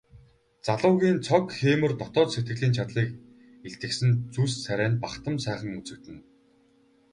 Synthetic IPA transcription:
t͡saɮʊːɣʲiːnt͡sʰɔkxeːmɘ̆rt̪ɔt̪ɔːt̪set̪ɡɘ̆ɮiːnt͡ɕʰat̪ɮiːk | eɬt̪ɘ̆ksɘ̆nt͡sussæɾʲæːnpaχt̪ə̆msæːχə̆ŋut͡sɘ̆t̪ɘ̆n

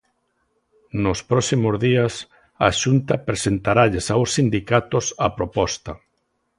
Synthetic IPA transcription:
nʊspɾɔsimozðiɐs | aʃunt̪ɐpɾesent̪aɾaʎesawsːind̪ikat̪osapɾopɔst̪ɐ

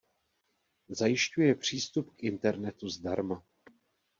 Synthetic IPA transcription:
zajɪʃcujɛpr̝̥iːst̪upkʔɪnt̪ɛɾnɛt̪uzdaɾma

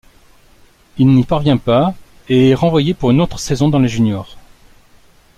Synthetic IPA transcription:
ilnipaʁvjɛ̃pa | eɛʁɑ̃vwajepuʁynot̪χə̥sɛzɔ̃d̪ɑ̃leʒynjɔːʁ

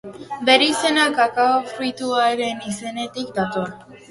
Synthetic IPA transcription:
be̞ɾise̞nakakaofɾujt̪uaeɾe̞nise̞ne̞t̪ikd̪at̪oa

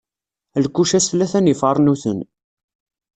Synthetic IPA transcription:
lkːuʃæsθlːæθænifəɾˤnuθən

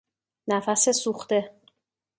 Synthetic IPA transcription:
næfæse̞suxt̪e̞

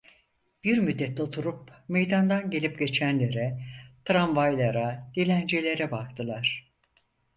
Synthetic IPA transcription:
b̥iɾmyd̪ːɛt̪ʰːot̪ʰuɾupme̞jd̪and̪anɟe̞lʲip̚ɟe̞t͡ʃʰænlʲe̞ɾɛt̪ʰɾanvajlˠaɾad̪̥ilʲænd͡ʒelʲe̞ɾɛbak̚t̪ʰɯlˠaɾ̥

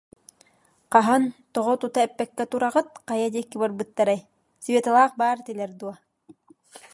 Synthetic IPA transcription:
qɑɦant̪ɔʁɔt̪ut̪aɛpːɛkːɛt̪uɾaʁɯt̪̚qɑjad̪iɛkːibɔɾbɯt̪ːaɾɛj | svʲet̪alˠaːq̚baːɾt̪ilɛɾd̪uɔ

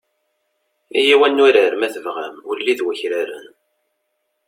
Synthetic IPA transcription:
ḭjiwænːʊɾəɾmæθəvʁæ̰mʊɾlːiðwæçɾaɾə̰n

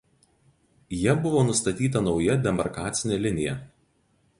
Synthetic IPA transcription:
jɛbʊʋoːnʊst̪ɐt̪ʲiːt̪ɐnɒʊjɛd̪ʲɛmɐɾkɑːt̪sʲɪnʲeːlʲɪnʲɪjɛ

